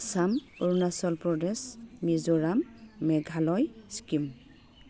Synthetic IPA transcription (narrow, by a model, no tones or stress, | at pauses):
samuɹnasɔlpɹɔdɛsmizoɹamːɛɡʱalɔjskim